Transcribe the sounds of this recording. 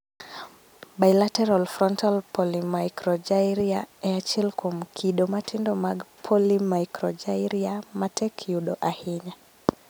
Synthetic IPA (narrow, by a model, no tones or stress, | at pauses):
bajlatɛɾalfɾɔntalpʰɔlimajkɾɔd͡ʒaiɾiaɛat͡ʃilkʰɔmkʰiɗɔmatʰindɔmaɡpʰɔlimajkɾɔd͡ʒajɾiamatɛkʰuɗɔʔahiɲa